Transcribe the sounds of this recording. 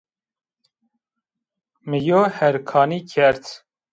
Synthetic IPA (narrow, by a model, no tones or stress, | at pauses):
məjohɛɾkʰɑːnikʰɛɾt͡sʰ